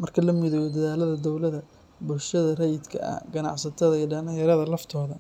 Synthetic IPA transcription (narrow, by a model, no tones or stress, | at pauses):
mɐrkʰɐlɐmɪðɔwɔd̪ɐðaːlɐðɐd̪ɔwlɐðɐ | bʊlʃɐðɐrɛjɪd̪kʰɐ̰ʔɐ̰hɡɐnɑ̰ʕsɐt̪ʰɐðɐiːɐɖɐnɪjɐɾɐðɐlɐft̪ʰɔːðɐ